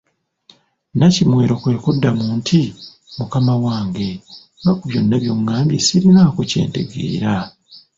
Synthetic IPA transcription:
nacimwe̞ːɾo̞kwe̞ːkudːamuːntʰi | mukamawaːŋɡe̞ | βakuβjo̞nːaβjo̞ŋːaːmbjesiɾinakuce̞̰ːnte̞̰ɡḛːɾa

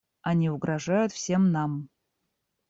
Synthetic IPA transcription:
ɐnʲiʊɡɾɐʐajʊt̪fsʲe̞mnam

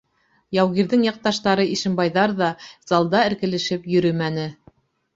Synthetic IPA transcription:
jɑwɣiɾðɘŋjɑq̚t̪ɑʃt̪ɑɾɤʔiʃɘ̆mbɑjðɑɾðɑz̥ɑlˠd̪ɑɘ̆ɾkɘ̆lɘ̆ʃɘpjɵ̆ɾɵmænɘ

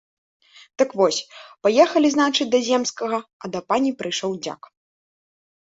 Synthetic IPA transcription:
d̪̥ɨkvɔsʲpajɛxɐlʲiznat͡ʂɨt͡sʲd̪ɐzʲɛmskɐɣɐɐd̪ɐpanʲipɾɨjʂɔwd͡zʲa̰k

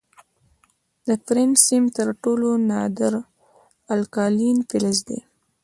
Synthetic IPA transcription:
d̪əpɾensimt̪əɾʈolonɑd̪əɾ | alkɑlinpɪlɪz̬d̪ḛ

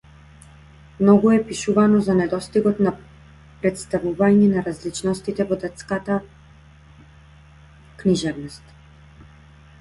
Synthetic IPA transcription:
mnɔɡuɛpiʃuvanɔzanɛd̪ɔst̪iɡɔt̪na | pɾɛt̪st̪avuvaɲɛnaɾazlit͡ʃnɔst̪it̪ɛvɔd̪ɛt̪skat̪a | kniʒɛvnɔst̪

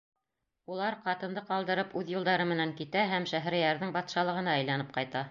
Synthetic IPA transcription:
ulˠɑɾqɑt̪ɤ̆nd̪ɤqɑlˠd̪ɤ̆ɾɤpʉðjulˠd̪ɑɾɤmɘ̆næŋkit̪æɦæmʃæɦ̆ɾæ̆jæɾðɘŋbɑt̪ʃɑlˠɤ̆ʁɤ̆nɑæjlænɤp̚qɑjt̪ɑ

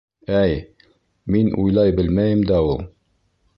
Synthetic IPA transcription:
æj | minṵjlˠɑjbɘlmæjɘmd̪æulˠ

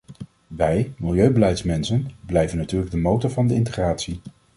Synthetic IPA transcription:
ʋɛjmɪlˠjøɥbəlɛjtsmɛnsənblɛjvənːatyːɹləɡ̚dəmowtɔɹvɑndəɪntəχraːtsi

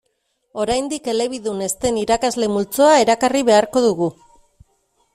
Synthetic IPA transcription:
o̞ɾajnd̪ike̞le̞βiðune̞st̪e̞niɾakazle̞mult͡so̞aeɾakariβe̞aɾko̞ðuɣu

